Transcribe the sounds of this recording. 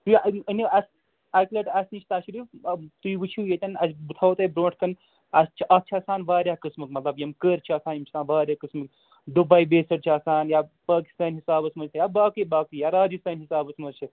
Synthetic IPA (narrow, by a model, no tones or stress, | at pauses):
t̪uəniɐs | aklɐʈɐsnit͡ʃʰit̪aːʃɾiːft̪uiʋɨt͡ʃʰijet̪ʲɐnɐsbɨt̪ʰawt̪ɐbɾoːʈʰkɐn | ɐst͡ʃʰiʔɐt͡ʃʰɐsaːnʋaːɾjaːkɨsmɨkmɐt̪lɐbjɐmkəːɾt͡ʃʰiɐsaːnjimt͡ʃʰit̪aːnʋaːɾʲjakɨsmɨk | d̪ubɐjbeːsɐɾt͡ʃʰiɐsaːnjapaːki̥st̪aːnɦisaːbɐsmɐzt͡ʃʰijabaːkibaːkijaɾaːd͡ʒɨst̪aːnɦisaːbɐsmɐɾt͡ʃʰi